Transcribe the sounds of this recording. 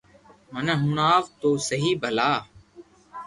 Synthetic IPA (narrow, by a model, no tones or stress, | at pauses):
məneːɦʊɳaːʋt̪oːsəɦiːbʱəlaː